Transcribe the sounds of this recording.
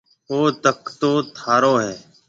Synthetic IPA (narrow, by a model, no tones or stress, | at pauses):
oːt̪əkt̪oːt̪ʰaːɾoːɦɛː